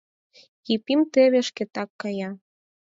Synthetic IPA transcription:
ipimt̪eβeʃket̪ɑkːɑjɑ

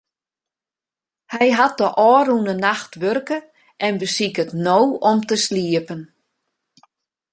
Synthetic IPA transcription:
hɛjɦat̚dəʔɔːɾunənaxtʋørkə | ʔɛnbəsikətnowɔmtəsliəpən

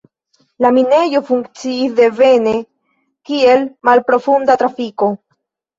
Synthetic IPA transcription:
lamine̞jo̞fuŋkt͡siːsd̪e̞ve̞ne | kie̞lmalpɾo̞fundatɾafiko̞

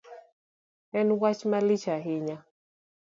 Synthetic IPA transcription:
ɛnwat͡ʃmalit͡ʃaɦɪɲa

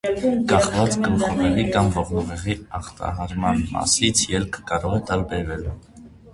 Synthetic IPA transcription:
kɑχvɑt͡skənχɔʁɛʁikɑmvɔʁnəʁɛʁiɑχt̪ɑ̰ɦɑɾmɑnmɑ̰sit͡sʰjɛlkʰkɑɾɔʁɛt̪ɑlbɛɾvɛl

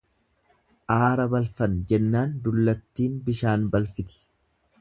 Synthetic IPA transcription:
ʔaːɾɐbɐlfɐnd͡ʒɛnːaːnd̪ʊlːɐt̪ːiːnbɪʃaːnbɐlfɪt̪ɪ̥

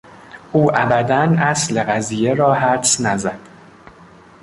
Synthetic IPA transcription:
ʔuːʔæbæd̪ænʔæsle̞ɣæzije̞ɾɒːɦæɾsnæzæd̪̥

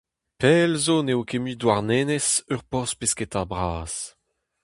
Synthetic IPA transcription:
pɛːlzoneokemyːdwaʁneːnesœʁpɔʁspesket̪abʁaːs

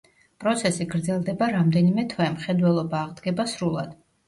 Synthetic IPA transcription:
pʼɾɔt̪sʰɛsiɡɾd̪zɛlˠd̪ɛbaɾamd̪ɛnimɛt̪ʰwɛmχɛd̪wɛlˠɔbaːʁd̪ɡɛbasɾulˠad̪̥

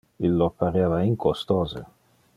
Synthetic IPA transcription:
ilːopʰːaɾaːvaiŋkost̪oɔːzḛ

